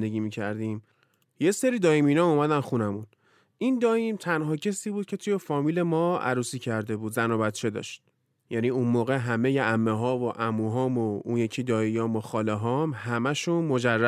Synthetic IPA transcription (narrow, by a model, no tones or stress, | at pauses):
d̪eɡiːmiːcʰæɾd̪iːm | je̞seɾiːd̪ɒːjimiːnɒumæd̪ænxunæmun | ind̪ɒːjimt̪ʰænɦɒːcʰesiːbuːd̪̥̚cʰet̪ʰujefɒːmiːle̞mɒːæ̰ɾuːsiːcʰæɾd̪e̞buːd̪zænobæt̪t͡ʃʰe̞d̪ɒ̰ːʃt̪̚ | jæniːunmoːɣeɦæme̞jeʔæmːeɦɒːvoʔæmuːɦɒːmounjecʰiːd̪ɒːjijɒːmoxɒːleɦɒːmɦæmæʃunmo̞d͡ʒærːæ